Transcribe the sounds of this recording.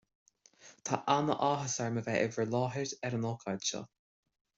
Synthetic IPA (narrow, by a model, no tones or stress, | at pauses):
t̪ʰaʔanəʔaːɦəsəɹməvɛʔɪvəlɑːɦəɹdɛɾənɔːkʰad̪ʃɔ̰